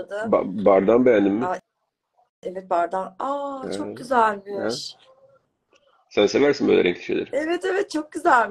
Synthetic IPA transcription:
d̪ɯba̰baɾd̪anbejænd̪imːɪ | evɛt̪̚baɾd̪anat͡ʃʰoɟyzælʲbi | sænsevæɾsinbø̰lʲɛ̰ɾɛ̰ŋklʰʲi̥ʃḛd̪ḭɾevɛt̪evɛt̪̚t͡ʃʰo̞k̚ɟyzælʲm

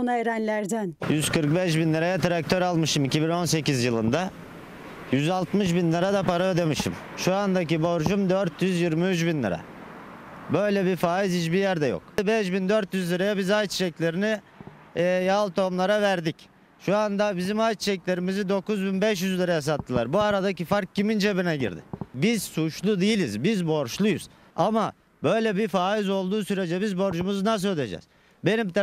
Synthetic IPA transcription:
naeɾænlʲæɾd̪ænjyz̥kɯɾk̚bɛʃbinlˠɯɾajat̪ɾak̚t̪ʰøɾalˠmɯʃɯmicibino̞nse̞cizjɯlˠɯnd̪a | jyzalˠt̪mɯʃ̬binlːʲˠɯɾad̪apaɾaød̪emɯʃɯ̰m | ʃuand̪ac̬ibo̞ɾʒumd̪øɾt̪ʰjyzjiɾmiyt͡ʃbinlːʲˠɯ̰ɾa̰ | bø̞jlʲɛbiɾfaːizit͡ʃbijæɾd̪ɛjo̰kbɛʃbind̪øɾt̪jyzlʲˠɯɾajabizajt͡ʃʃɛclʲe̞ɾiniː | jalˠt̪ʰo̞mlˠaɾavæɾd̪ic | ʃuand̪abizimajt͡ʃʃɛclʲe̞ɾimizid̪o̞kuzbinbɛʃjyzlʲˠɯɾajas̬at̪ʰːɯlˠa̰ɾbuaɾad̪acifaɾk̚cimind͡ʒe̞βinɛɟḭɾd̪ɪ̰biz̥sut͡ʃlˠud̪ijilʲizbizbo̞ɾʃlˠujṵz̥ | ama | bø̞jlʲɛbifaːizo̞lˠd̪uːsyɾe̞d͡ʒɛbizbo̞ɾd͡ʒumuznas̬øjlʲḛd͡ʒɛ̰z̥ | be̞nimt̪

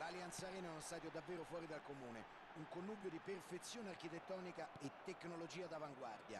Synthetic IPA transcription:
laliant̪saɾɛːnanonst̪aːt̪̬jod̪avːeːɾofwɔːɾid̪alkomuːne | uŋkonːuːbjod̪iperfet̪sːjoːnearkit̪et̪ːɔːnikaet̪ːekːnolod͡ʒiːad̪avaŋɡward̪ja̰

